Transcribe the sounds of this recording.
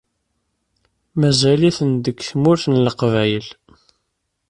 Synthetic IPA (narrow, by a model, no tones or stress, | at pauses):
mæzæliθənd̪əɡθmʊɾθənləqvæjəl